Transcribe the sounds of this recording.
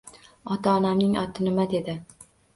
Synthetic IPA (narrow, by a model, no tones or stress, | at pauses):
ɒt̪ʰaɒnamnɪŋɒt̪ʰɪnɪmad̪e̞d̪ɪ